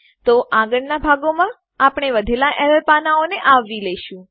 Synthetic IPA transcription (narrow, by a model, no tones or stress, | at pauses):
t̪oʔãɡəɽnabʱaɡomã | apɳ̃eʋəd̪ʱelaʔɛɾəɾpanaoneʔaʋːilɛʃũ